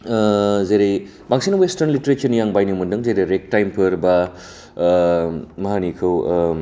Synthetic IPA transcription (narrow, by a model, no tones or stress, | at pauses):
zejɾej | baŋsinɐwestɐɾnliteɾet͡ʃʰɐnjaŋbajnimundɯŋzejɾejɾek̚tajmpʰɯɾbɐ | mɐɦanikʰɯw